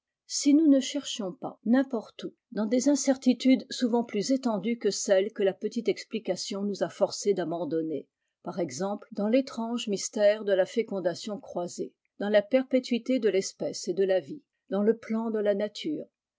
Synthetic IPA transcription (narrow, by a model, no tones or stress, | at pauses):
sinunəʃɛʁʃjɔ̃pa̰nɛ̃pɔʁt̪u | d̪ɑ̃d̪ezɛ̃sɛʁt̪it̪yd̪suvɑ̃plyzet̪ɑ̃d̪ykəsɛlkəlapət̪it̪ɛksplikasjɔ̃nuzafɔʁsed̪abɑ̃d̪ɔne | paʁɛɡzɑ̃pld̪ɑ̃let̪χɑ̃ʒmist̪ɛʁd̪əlafekɔ̃d̪asjɔ̃kχwaze | d̪ɑ̃lapɛʁpet̪ɥit̪ed̪əlɛspɛsed̪əlavi | d̪̥ɑ̃ləplɑ̃d̪əlanat̪ʰyːʁ